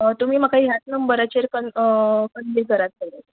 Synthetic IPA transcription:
t̪um̤iːməkaɦiːɦat̪nəmbəɾat͡ɕeɾkənkənliɡʱəɾat̪̚ɡela

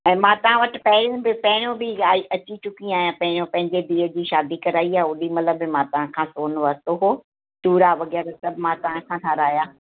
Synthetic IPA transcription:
ɛ̃ːmãːt̪ɐʋ̤ãʋɐʈɪpɐɦɪɾjõbɪpɐɦɪɾ̃jõbɪaːiʔɐt͡ɕit͡ɕʊkĩaːjãpɐ̃ɦɪ̃ɾõpɐ̃ɦɪ̃ɲd͡ʑed̪iːəd͡ʑiːʃaːd̪ikɐɾaːiaːʊɗimɐt̪əbɪmãːt̪ɐʋ̤ãkʰãːsoːnoʋət̪oɦoː | ʈuːɾaʋɐɣɛːɾasɐbmãːt̪ɐʋãkʰãːtʰãːɾaːjaː

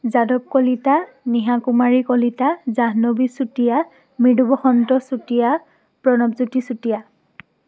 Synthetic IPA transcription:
zadɔb̚kɔlita | niɦakumaɹikɔlitazaɦnobisutija | midubɔxɔntɔsutija | pɹɔnɔbzutisutija

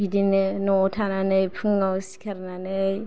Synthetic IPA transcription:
idinnotʰananaipʰuŋɡasi̥kaɾnana

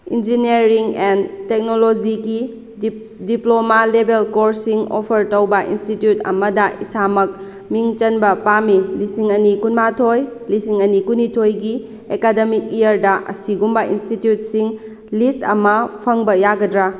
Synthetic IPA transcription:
ḭnd͡ʒinieɾiŋentek̚nolod͡ʒiɡi | diplomalebelkoɾsiŋo̰pʰɐɾtowbɐʔḭnstitjutɐ̰mɐdɐʔisamɐk̚ | miŋt͡ʃɐnbɐpamilisiŋɐnikunmatʰojlisiŋɐnikunitʰojɡi | ekademik̚ijɐɾdɐʔɐ̰siɡumbɐʔinstitjut̚siŋ | listɐ̰mɐpʰɐŋbɐjaɡɐdɾa

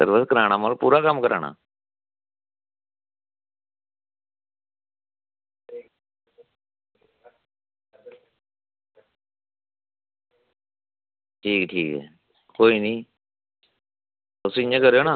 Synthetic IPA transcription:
sə̰ɾʋəskəɾaːɽ̃aːmaːlpuːɾaːkəmːkəɾa̰ːɳa̰ː | ʈʰiːkʈʰiːkɦɛ̰ː | koːiːnĩː | ʊsĩẽːkəɾjoːnaː

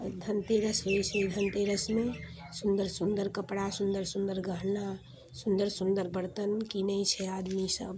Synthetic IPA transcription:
d̪ʱənt̪eɾəsɦojsed̪ʱənt̪eɾəsmesund̪əɾsund̪əɾkəpɽasund̪əɾsund̪əɾɡʱəɦlna | sund̪əɾsund̪əɾbəɾt̪ənkinəjt͡ʃʰɛad̪misə̰b

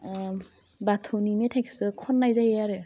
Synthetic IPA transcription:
batʰonimetʰajkʰe̥sɯkʰɔnːajzajejaɾɯ

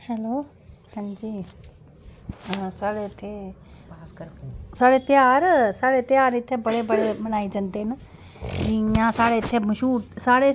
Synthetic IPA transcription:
hɛlo | hə̃nd͡ʒiː | saːɽet̪ʰe | saːɽet̪jaːɾsaːɽet̪jaːɾɪt̪ʰːebɐɽebəɽemɐñaːid͡ʒɐnt̪en | d͡ʑĩjãsaːɽeɪt̪ʰːeməʃuːɾsaːɽe

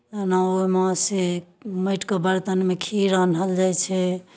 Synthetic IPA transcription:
naomase | məʈkebəɾt̪ənmekʰiɾənɦəld͡ʒajt͡ʃʰɛ

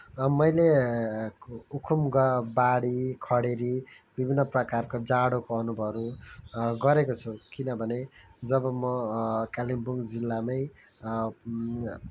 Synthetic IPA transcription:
mʌjle | ukʰumɡʌbaɽikʰʌɽeɾi | bibʱinːʌprʌkarkod͡zaɽokoʌnubʱʌʌɾu | ɡʌɾekot͡sʰukinʌbʱʌned͡zʌbʌmʌkalimbuŋɡd͡zilːamaj

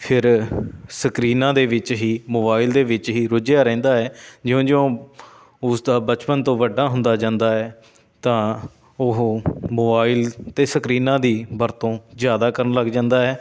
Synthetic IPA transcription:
pʰɪɾsəkɾiːnãːd̪eːʋɪt͡ʃɦiːmoːbaːɪld̪eːʋɪt͡ʃɦiːɾʊd͡ʒjaːɾɛ̃ːnd̪aːɛːd͡ʒɪjõːd͡ʒɪõː | ʊsd̪aːbət͡ʃpənt̪õːʋəɖːaːɦʊnd̪aːd͡ʒãːnd̪aːɛː | t̪ãː | ʊɦːmoːbaːɪlt̪eːsəkɾiːnãːd̪iːbəɾt̪õːzjaːd̪aːkəɾənləɡd͡ʒãːnd̪aːɦɛː

